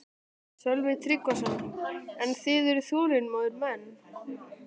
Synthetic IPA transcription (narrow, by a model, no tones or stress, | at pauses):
sœlvɪt̪ʰɾikvasɔnɛnθɪðʏɾθuːɾɪnmɔːðʏɾmɛnː